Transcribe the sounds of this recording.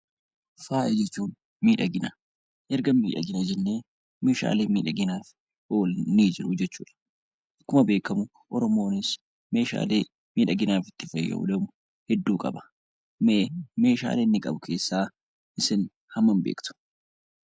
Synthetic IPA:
faːʔɛd͡ʒɛt͡ʃːuːn | miːᶑɐɡɪnɐ | ʔɛɾɡɐmmiːᶑɐ̰ɡɪnɐd͡ʒɛnːe̞ː | me̞ːʃa̰ːleːmiːᶑɐɡɪnaːf | oːlniːd͡ʒɪɾʊd͡ʒɛt͡ʃːuːᶑɐ̥ | kːʊmɐbe̞ːkːɐmʊ | ʔɔɾɔmo̞ːnɪs | me̞ːʃa̰ːle̞ː | miːᶑɐɡɪnaːfɪt̪ːɪfɐjɐ̰ʊ̰d̪ɐmʊ | hɛd̪ːuːkʼɐ̰bɐ̥ | meme̞ːʃa̰ːleːnːɪkʼɐbʊkʰe̞ːsːaː | ʔɪsɪn | hɐmːɐmbḛːkt̪ʊ̥

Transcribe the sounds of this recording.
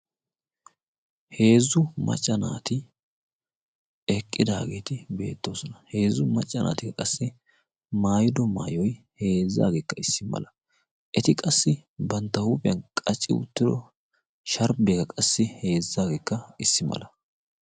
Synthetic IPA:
he̞ːzʊmɐ̰t͡ʃʼːɐna̰ːt̪ɪ | ɛkʼːɪd̪a̰ːɡe̞ːt̪ɪbe̞ːt̪ːo̞ːsɔnɐhe̞ːzʊmɐt͡ʃʼːɐnʔa̰ːt̪ɪkːɐkʼɐsːɪ | maːjɪd̪ɔma̰ːjɔj | he̞ːzːa̰ːɡeːkːɐɪsːɪmɐ̰lɐ | ʔɛt̪ɪkʼɐsːɪbɐnt̪ːɐhuːpʼɪjɐnkʼɐt͡ʃʼːɪ̰ʊ̰t̪ːɪd̪ɔ | ʃɐɾbeɡɐkʼɐsːɪhe̞ːzːaːɡeːkːɐɪsːɪmɐ̰lʔɐ

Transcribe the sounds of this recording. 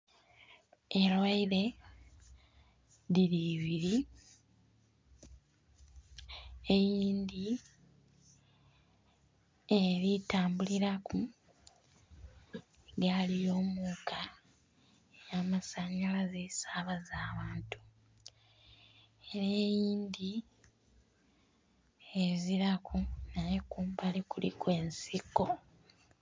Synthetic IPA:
elwaiɾe̞ | ðiɾiːβiɾi | ejiːnd̪i | eɾitaːmbuliɾaku | ɡalijo̞ːmuːkʰa | ejaːmasaɲalazesaβazaːβaːntu̥ | e̞ɾeːjiːnd̪i | eziɾakʰunajekuːmbalikulḭkwe̞ːnsiko̞

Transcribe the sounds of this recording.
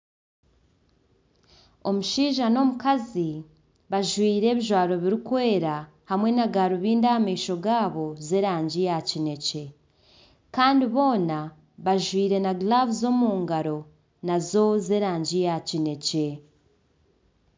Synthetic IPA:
o̞muʃiːʒano̞mukazi | βaʒwiːɾe̞ːβiʒwaːɾo̞βiɾikwe̞ːɾa | hamwe̞naɡaɾuβiːndahamiːʃo̞ɡaːβo̞zeɾaːɲɟijacine̞ce̞ | kaːndiβo̞ːna | βaʒwiːɾe̞naɡlavuzo̞muːŋɡaɾo̞ | nazo̞zeɾaːɲɟijacine̞ce̞

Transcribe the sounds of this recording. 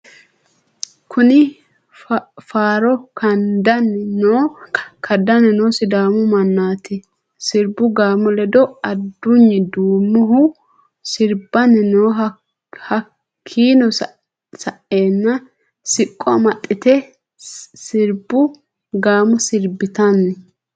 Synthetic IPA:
kʰʊnɪ | faːɾɔkʰɐnd̪ɐnnoːkʰɐd̪ɐnɛnoːsɪd̪aːmʊmɐnːaːt̪ɪ | sɪɾbʊɡaːmɔlɛd̪ɔɐd̪ːʊɲːɪd̪uːmːʊɦʊ | sɪɾbɐnɛnoːɦ | hɐ | kʰːiːnɔs | sɐʔeːnːɐ | sɪkʼːɔmɐt̪ʼːɪt̪ɛ | sɪɾbʊ | ɡaːmɔsɪɾbɪt̪ɐnːɛ

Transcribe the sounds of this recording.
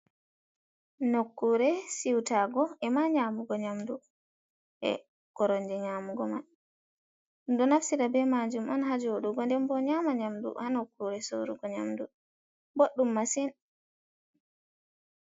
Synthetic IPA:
nokːuɾɛsiwtaɡɔɛmaɲaːmuɡɔɲamdu | ʔɛ̰ | ɡ̥ɔɾɔɲd͡ʒɛɲaːmuɡɔman | dɔnafsiɾabɛmad͡ʒumɔnɦad͡ʒoɗuɡɔndɛmbɔɲamaɲamdṵhanokːuɾɛso̰ɾuɡɔɲamdu | boɗːumːasin

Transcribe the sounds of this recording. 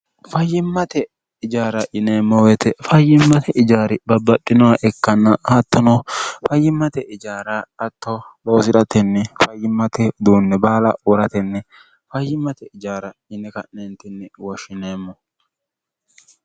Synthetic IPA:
fɐjːɪmːɐt̪ɛ | ɪd͡ʒaːɾɐʔɪneːmːɔwɛt̪ɛfɐjːɪmːɐt̪ʰɛʔɪd͡ʒaːɾɪbɐbːɐɗːɪnɔwaʔɛkːɐnːɐhɐt̪ːɔnɔfɐjːɪmːɐt̪ɛʔɪd͡ʒaːɾaɐt̪ːɔlo̞ːsɪɾɐt̪ɛnːɛfɐjːɪmːɐt̪ɛd̪uːnːɛbaːlɐ̰wɔɾɐt̪ɛnːɛ | fɐjːɪmːɐt̪ɛɪd͡ʒaːɾɐɪnɛkɐnɛnt̪ɛnːɛwɔʃːɪneːmːɔ

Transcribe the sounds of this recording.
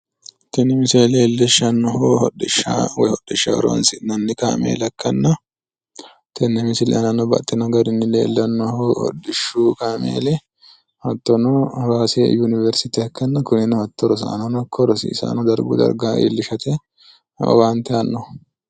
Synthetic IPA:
t̪ɛnːɪmɪseːleːlːɛʃɐnːɔhohɔɗɪʃa̰wɛhɔɗɪʃːaɾɔɐ̰nsɪnɐnːɪka̰ːmḛːlɐkːɐnːɐ | t̪ɛnːɛmɪsɪlʔɛ̰ʔnɐnːɔbɐ̰ʔt̪ːɛnɔɡɐɾɪnːɪlḛːlːɐnːɔhohɔ̰dːɪʃːuːkaːmḛːlɛ | hɐt̪ːɔnɔwaːsḛjunɪvɛɾsɪt̪ɪɐkːɐnːɐkʊnɪnɔhɐt̪ːɔɾɔs̬a̰ːnɔnɔkʰːɔɾɔsḭːsa̰ːnɔd̪ɐɾɡṵd̪ɐ̰ɾɡaʔḭlːɪʃɐt̪ɛ̰ | want̪ɛɐnːɔ

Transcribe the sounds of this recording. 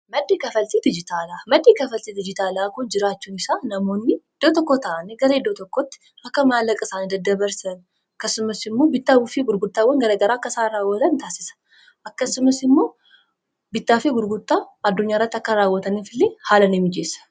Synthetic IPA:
mɐd̪ːekɐfɐlt̪id̪ɪd͡ʒɪt̪ʰaːlamɐd̪ːekɐfɐlt̪id̪ɪd͡ʒɪt̪ʰaːlakʊnd͡ʒɪɾat͡ʃːunɪsanɐmonːid̪̥ot̪ɔkːot̪aneɡɐɾed̪ot̪ɔkːot̪ː | ʔɐkːɐmalɐkʼəsaːnd̪ɐd̪ːɐbɐɾsɐn | kːɐsʊmɐsɪmːo̞bɪt̪ːawʊfiɡʊɾɡʊt̪ʼːawɐŋɡɐɾɐɡɐɾakːɐsaɾawɔlɐnt̪ʰasɪ̥sɐ̥ | ʔɐkːɐsʊmɐsɪmːo̞ː | bɪt̪ːafeɡʊɾɡʊt̪ʼːaːd̪ːʊɲːaɪɾɐt̪ːɐkːɐɾaːwːɔt̪ɐnifɪlːehaːlɐnɛmːɪd͡ʒesɐ̥

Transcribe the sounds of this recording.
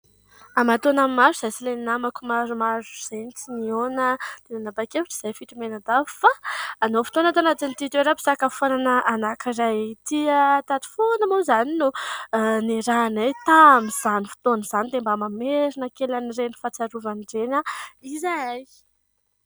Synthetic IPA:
amat̪onamimaɾiz̥ajsileninamakumaɾumaɾuz̥anit͡sinionət̪enanabakeviʈ͡ʂi̥z̥ajfiʈ͡ʂumenad̪avfaːnofit̪onət̪anat̪init̪it̪eɾapi̥sakafonanəʔanakirajt̪iət̪at̪i̥fonəmozaninu | niɾanajt̪amiz̥anifi̥t̪onəz̥anid̪embamameɾinəkelanirenifat͡saɾuvanirenəizaaj

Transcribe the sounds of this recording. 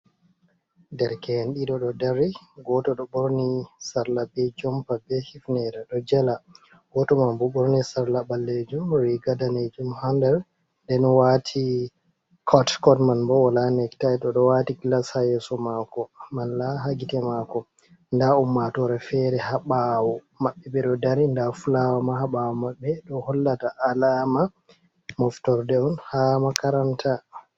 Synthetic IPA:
dɛɾkɛhɛnɗiɗɔɗɔdaɾiɡɔtɔɗɔɓɔɾnisaɾlabɛd͡ʒɔmpabɛhifnɛɾaɗɔd͡ʒɛla | ɡ̥ɔtɔmambuɓɔɾnisaɾlaɓalːed͡ʒumɾiɡadaned͡ʒumhandɛɾ | ndɛnwatʰi | kʰɔtkɔtmanbɔwalanɛktajtɔɗɔwatikilashajɛsɔmakɔmanlaɦaɡitɛmakɔ | ndaumːatɔɾɛfɛɾɛhaɓawɔ | maɓːɛɓɛɗɔdaɾindafulawamahaɓawɔmaɓːɛɗɔhɔlːataʔalama | mɔftɔɾdɛɔnhamakaɾantʰa

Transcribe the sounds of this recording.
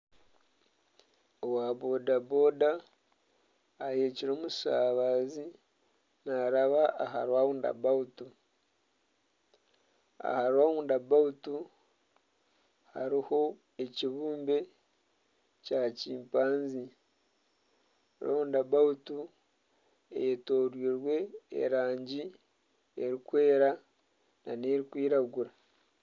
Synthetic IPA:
owabo̞dabo̞ːda | jeːciɾo̞ːmu̥saβazi | naɾaβaaha̰ɾwaːβuːnda̰bautu | a̰haɾwaːuːndabautu | ha̰ɾiho̞ | eciβuːmbe̞ | caciːmpaːnzi | aɾwa̰uːndabautu | eto̞ːɾwiːɾwe̞ḛɾaːɲɟi | eɾikwe̞ːɾa | na̰ne̞ɾikwiːɾaɡuɾa

